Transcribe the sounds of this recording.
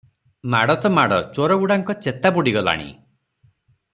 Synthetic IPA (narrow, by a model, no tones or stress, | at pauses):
maɽɔt̪ɔmaɽɔt͡ʃoɾɔɡuɽaŋkɔt͡ʃet̪abuɽiɡɔla̰ɽ̃ḭ